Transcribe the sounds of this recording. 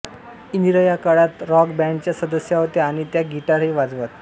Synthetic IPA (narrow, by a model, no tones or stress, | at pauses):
inɾəjakaɽat̪ɾɔkbɛɳɖt͡ɕjasəd̪əsjaɦot̪eaɽ̃it̪jaɡʱiʈaɾɦiʋad͡zʋat̪